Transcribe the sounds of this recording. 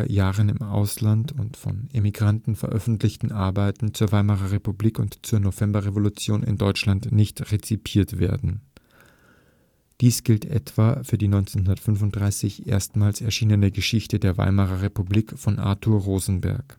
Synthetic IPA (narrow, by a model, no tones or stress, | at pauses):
ɐjaːʁənɪ̰mʔa̰ʊslantʊntfɔ̰nemiɡʁantn̩fɛɐʔœfn̩tlɪçtn̩ʔaɐbaɪtn̩t͡suːɐvaɪmaʁɐʁepubliːkʊntt͡suːɐnovɛmbɐʁevolut͡sjoːnɪ̰ndɔʏt͡ʃlantnɪçtʁet͡sipʰiːɐtv̥ḛːɐdn̩ | d̥iːsɡ̥ɪltʔɛ̰tv̥aːfyːɐdiːnɔʏnt͡senɦʊndɐtfʏnvʊnt̚d̥ʁaɪsɪçʔḛːɐstmaːlsɛɐʃiːnənəɡəʃɪçtədeːɐva̰ɪmaʁɐʁepubliːkfɔnʔa̰ːtʰuɐʁoːzn̩bɛ̰ɐk